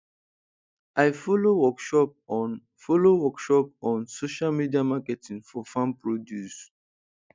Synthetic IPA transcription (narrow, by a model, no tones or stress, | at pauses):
ʔaɪfɔlowɔkʃɔp̚ | folowɔkʃɔpɔ̃nsoʃalmidiamakɛtĩŋfɔfãmpɹodjus